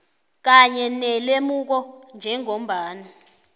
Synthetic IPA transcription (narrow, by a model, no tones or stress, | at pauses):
k̬aɲɛnɛlemuk̬ɔnd͡ʒʱɛŋom̩bʱaːni